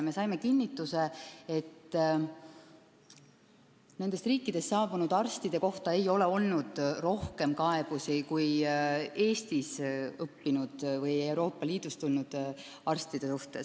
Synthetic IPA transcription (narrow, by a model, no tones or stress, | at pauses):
me̞sɑjme̞kinːit̪ːˑuse̞et̪ː | ne̞nd̪e̞st̪riːkˑːid̪̥e̞st̪ːɑːb̥unud̪ɑrst̪id̪̥e̞ko̞ht̪ɑe̞jo̞le̞o̞lnud̪̥ro̞hke̞mkɑe̞b̥usikuj | e̞ːst̪isɤpːinud̪̥vɤje̞wɾo̞ːpːˑɑliːd̪̥ust̪ulnud̪̥ | ɑrst̪id̪̥e̞suht̪e̞s